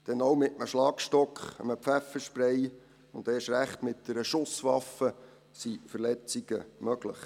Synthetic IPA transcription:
d̪̥ɛnowmɪtəməʃlɑːkʃtɔkχəməpfæfəʃpɾɛj | ʊnd̥̪eːʃɾæχt̪mɪt̚dɛɾəʃʊsʋɑfə | sifərlɛt͡siɡ̥əmœɡ̥lə̰χ

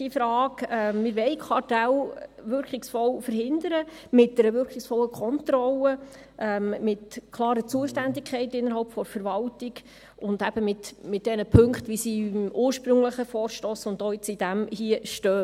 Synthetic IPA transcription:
ifɾɑːkɛmɪɾʋɛɪkʰɑɾtælvʏɾkʰɪksfɔlfəɾhɪndəɾə | mɪt̚d̥ɛɾəʋʏɾkʰɪksfɔlːəkʰχɔntɾɔlə | ʔɛmmɪtkʰlˠɑːɾət͡suəʃtændɪkʰχɛɪtɪnːəɾhɑlpfɔɾfəɾʋɑltɪɡ | ʊndæb̥əmɪtmɪt̚d̥ɛnəpʰɵŋkχtʋisiuːɾʃpɾɵŋləχəfɔːɾʃtoːsʊndoːɪt͡sid̥æmhiəʃtœː

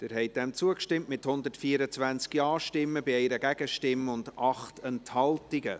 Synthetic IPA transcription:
d̥ɛːɾɦɛɪt̚d̥ɛmt͡suəkʃtɪmtmɪthʊnd̪ətfiəɾət͡svænt͡skjɑːʃtɪmːəbiɛɪɾəɡæɡ̥əʃtɪmːəʊndɑχtɛnthɑltiɡə̰

